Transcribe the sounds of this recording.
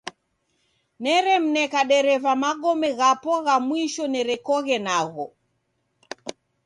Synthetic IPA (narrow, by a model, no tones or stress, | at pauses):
nɛɾɛm̩nɛkaɗɛɾɛvamaɠɔmɛɣapɔɣamwiʃɔnɛɾɛkɔɣɛnaɣɔ